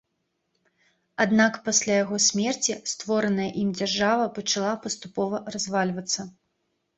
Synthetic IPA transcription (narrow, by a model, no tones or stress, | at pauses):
ad̪nakpasʲlʲajaɣɔsʲmʲɛrt͡sʲist̪vɔɾɐnɐjɐʔimd͡zʲarʐavɐpɐt͡ʂalˠapɐst̪upɔvɐrazvalʲvɐt̪sːɐ